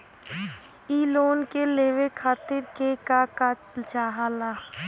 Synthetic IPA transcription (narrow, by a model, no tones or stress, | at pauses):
iːloːnkeleːʋekʰaːt̪ɪɾkekaka | lt͡ʃaːɦaːlaː